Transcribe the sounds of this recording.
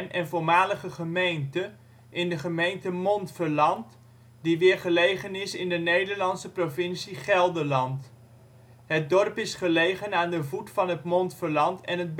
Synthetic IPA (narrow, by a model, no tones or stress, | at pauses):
nʔɛnvʊlmaːləχəχəmejntə | ʔɪndəχəmejntəmɔntfəɹlɑnt | diʋɪːɹχəlejχənɪsɪndənejdəɹlɑnsəprovɪnsiχɛlˠdəlɑnt | ɦət̚dɔrpɪsχəlejχənaːndəvutfɑnɦətmɔntfəɹlɑntɛnɦəd̚b